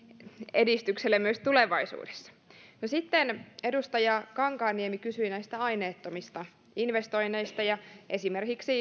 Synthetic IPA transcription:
edist̪ykselːemmyøst̪uleʋɑisṵːde̥sːɑ̥nosit̪ːene̞dust̪ɑjɑkɑŋkɑːnːiemikysyinæist̪æɑjneːt̪ːomist̪ɑ | inʋest̪o̞jnːe̞jst̪ɑjɑʔe̞simerkiksi

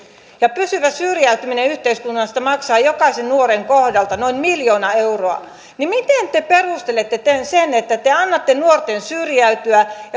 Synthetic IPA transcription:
jɑpysyʋæsyrjæyt̪ymineyht̪eiskunːɑst̪ɑmɑksɑːjokɑsennuoreŋkohdɑlt̪ɑnoinmiljoːnɑeuroɑ̰ | nimit̪ent̪eperust̪elet̪ːet̪ensenet̪ːæt̪eɑnːɑt̪ːenuort̪ensyrjæyt̪yæjɑ

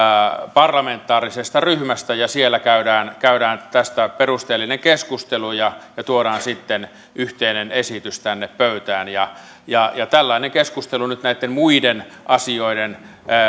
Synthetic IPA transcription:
pɑrlɑment̪ːˑɑːrisest̪ɑryhmæst̪æjɑsielːˑækæydæːnkæyɾæːnt̪æst̪æperust̪eːlːineŋkeskust̪elujɑjɑt̪uoɾɑːnsit̪ːen | ʔyht̪einenesit̪yst̪ænːeppøyt̪æːnjɑ | jɑjɑt̪ælːɑineŋkeskust̪elunyt̪næit̪ːemmuiden | ʔɑsioiden

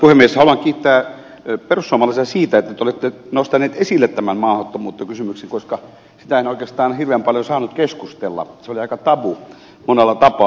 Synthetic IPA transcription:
puhemːieshɑluɑŋkiːt̪ːæː | perusːoɑmɑlːɑst̪ɑsiːt̪æet̪ːæt̪eolet̪ːenost̪ɑneːt̪esilːet̪t̪æmænmɑːhot̪ːomuːt̪ːekysymyksiŋkoskɑ | si̥t̪æenoˑikeːst̪ɑːnhirʋeːmpɑljosɑːnut̪keskust̪elːɑ̰seoliɑikɑt̪ɑʋu | monelːɑt̪ɑpɑː

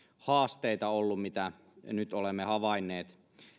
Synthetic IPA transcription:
hɑːst̪eit̪ɑolːummit̪æ | nyt̪olemːehɑʋɑinːˑeːt̪

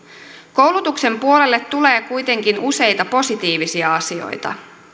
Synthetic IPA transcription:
ko̞wlut̪ukse̞mpuo̞le̞lːet̪ːule̞ːkujt̪e̞ŋkinuse̞jt̪ɑpo̞sit̪iːʋisiɑɑsio̞̰jt̪ɑ̰

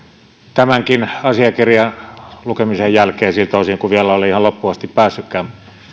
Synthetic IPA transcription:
t̪æmæŋkinɑsiɑkirjɑlukemisejjælkeːsilt̪oˑsiŋkuʋielæoliihɑlopːuɑst̪ippæːsːykːæːm

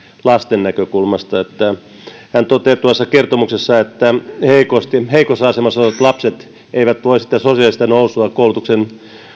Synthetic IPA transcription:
lɑst̪enːækøkulmɑst̪ɑet̪ːæ | hænt̪ot̪eːt̪uɑsːɑkert̪omuksesːɑet̪ːæheikost̪iheikosɑsemɑsɑʋɑt̪lɑpset̪ | ʔeiʋæt̪ʋoisi̥t̪ːæsosiɑlist̪ɑnousuɑkkoulut̪uksen

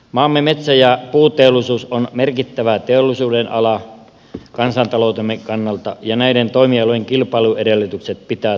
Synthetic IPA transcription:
mɑːmːemet̪sæjɑpuːt̪eolːˑisuːsonmerkit̪ːæʋæt̪eolːˑisuːdenʔɑ̰lɑ | kɑnsɑnt̪ɑloˑut̪emːekɑnːɑlt̪ɑjɑnæident̪oimiɑlojeŋkilpɑˑiluedelːyt̪ykset̪̚pit̪æː

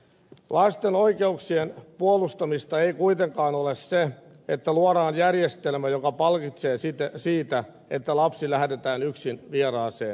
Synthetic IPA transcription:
lɑst̪enoikeuksienpuolust̪ɑmist̪ɑeikuit̪eŋkɑːnolesse | et̪ːæluoɾɑːnjærjest̪elmæjokɑpɑlkit̪seːsit̪siːt̪æ | et̪ːælɑpsilæhd̪et̪æːnyksinʋierɑːseːn

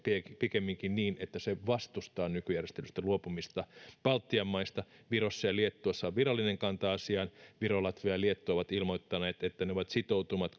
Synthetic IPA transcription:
piepikemːiŋkinniːnet̪ːæseʋɑst̪ust̪ɑːnykyjærjest̪elyst̪æluopumist̪ɑpɑlt̪ːiɑmːɑist̪ɑʋirosːɑjɑliet̪ːoɑsːɑʋirɑlːineŋkɑnt̪ɑɑsiɑnʋirolɑt̪ʋoɑliet̪ːoːʋɑt̪ilmoit̪ːɑneːt̪et̪ːæneoʋɑt̪sit̪out̪umɑt̪

